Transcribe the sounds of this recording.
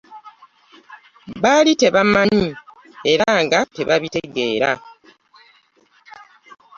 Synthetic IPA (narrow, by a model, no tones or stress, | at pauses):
βalite̞βamːaɲi | e̞ɾaːŋɡate̞βaβite̞ɡe̞̰ːɾa̰